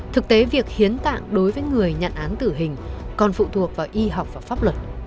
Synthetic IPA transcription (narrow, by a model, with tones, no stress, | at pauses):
t̪ʰɨ˨˩k̚t̪e˨˦vi˨˩ək̚hi˨˦ənt̪a̰ː˧˨ŋɗo˨˦jvəː˨˦jŋɨ˨˩əjɲə̰˧˨nʔaː˨˦nt̪ɨ˧˩ɦï˨˩ŋ̟kɔ˨˩nfṵ˧˨t̪ʰu˨˩ək̚vaː˨˩wʔi˧ɦa˨˩wk͡p̚vaː˨˩faː˦˥p̚lwə˨˩t̚